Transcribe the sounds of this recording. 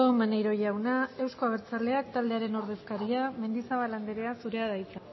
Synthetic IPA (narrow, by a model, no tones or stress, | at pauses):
omanejɾo̞ʝawnae̞wsko̞aɣ̞eɾt͡sale̞akt̪ald̪e̞aɾe̞no̞ɾð̞e̞skaɾiame̞nd̪isaβaland̪eɾe̞asuɾe̞aðajt͡sa